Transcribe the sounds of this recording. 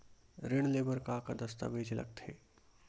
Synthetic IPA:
ɾɪɽ̃leːbəɾkakad̪ɐst̪a̰bʱeːd͡ʒʱlɐ̰ɡ̚t̪ʰɦeː

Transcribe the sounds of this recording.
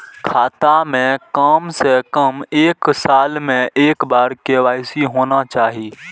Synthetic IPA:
kʰaːt̪amẽkaːmsekəmeːksaːlmẽʔeːkbaːɾkeːwaːɪsiɦoːnat͡ʃaːɦiː

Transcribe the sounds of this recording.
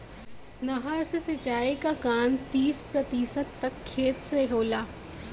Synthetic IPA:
nɐɦəɾsesɐt͡ʃaːikakaːnt̪iːspɾɐt̪iːsət̪ːɐkʰːeːt̪seɦoːlaː

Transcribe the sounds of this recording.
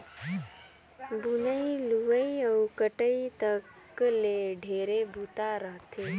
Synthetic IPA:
bunəiluʋəiəwkəʈəit̪ək | leɖʱeːɾebʱuːt̪aɾəɦt̪ʰeː

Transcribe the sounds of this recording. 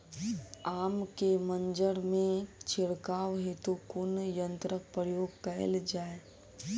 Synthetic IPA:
aːmkemə̃nd͡ʒəɽmẽt͡ʃʰɪɽkaːʋɦet̪ukʊnjə̃nt̪ɾək̚pɾəjoːɡkɐə̰ld͡ʒaːe

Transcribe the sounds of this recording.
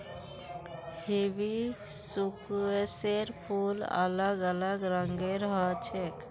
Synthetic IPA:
hebisukeseɾpʰulə̰ləɡələɡɾəŋɡeɾəɦət͡ʃʰek

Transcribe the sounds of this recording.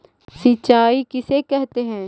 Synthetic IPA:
sɪt͡ʃaːikɪsekɛɦt̪eɦɛ̃ː

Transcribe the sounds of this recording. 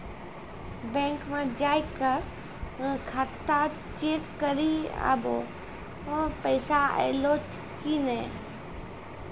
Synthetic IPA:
bɛ̃ːŋkmãd͡ʒaːjkə̃ | kʰaːt̪a | t͡ʃeːkkəɾia̰ːbõ̰ | pəɪsaḛloːt | kiːnɛ̃

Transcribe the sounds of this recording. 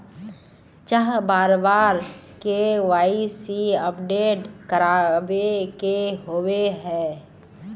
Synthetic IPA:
t͡ʃəɦbaːɾbaːɾ | kewaːisiəpɖeːʈkəɾaːʋekeɦoːweɦɛ̃ː

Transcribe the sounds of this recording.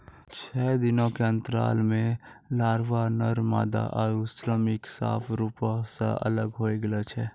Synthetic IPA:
t͡ʃʰɛːd̪ɪnõkeə̃nt̪əɾa̰ːlmẽlaːɾʋanəɾma̰ːd̪a̰ʔɔːɾʊsɾəmɪksa̰ːpʰɾuːpãsḛʔɐ̰ləɡɦoːeɡəlat͡ʃʰɛː

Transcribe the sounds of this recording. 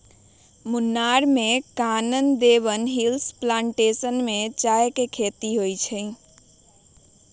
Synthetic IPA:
munːaɾmekanənd̪eβənɦilsplãɳʈesənmet͡ʃajkekʰet̪iɦojt͡ʃʰə

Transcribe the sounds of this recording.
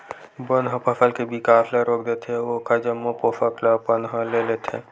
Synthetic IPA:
bənɦə̃pəpʰəlkebikapʰleɾokd̪et̪ɛokad͡ʒəmːopopʰəkləpənɦəlelet̪ʰɛ̰

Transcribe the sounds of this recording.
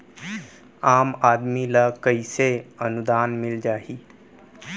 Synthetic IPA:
aːmaːd̪milakəiseənud̪aːnmɪld͡ʒaːɦiː

